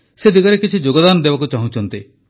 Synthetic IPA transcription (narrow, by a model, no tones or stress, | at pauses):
sed̪iɡɔɾekit͡ʃʰid͡ʒoɡɔd̪anɔd̪ebakut͡ʃaɦũt͡ʃʰɔnt̪i